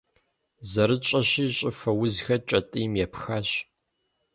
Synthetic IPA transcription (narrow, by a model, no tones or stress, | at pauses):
zɐɾɨt͡ʃʼɐɕiːɕʼɪfɐwʊzxɐt͡ʃʼɐtʼijmjɛpxɐɕ